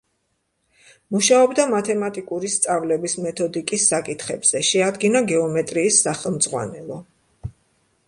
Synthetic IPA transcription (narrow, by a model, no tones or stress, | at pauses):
muʃaɔbd̪amat̪ʰɛmat̪ʼikʼuɾist̪sʼavlɛbismɛt̪ʰɔd̪ikʼisːakʼit̪ʰχɛbz̥ɛʃɛad̪ɡinaɡɛɔmɛt̪ʼɾiːsːaχɛlˠmd̪zʁwa̰nɛlˠɔ